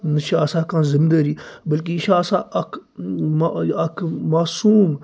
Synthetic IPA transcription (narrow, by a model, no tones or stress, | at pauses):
nɐʃaɐsãːkãːzɪmd̪əɾiːbɐlk̬iʃasãʔɐkʰ | ɐkʰmaːsuːm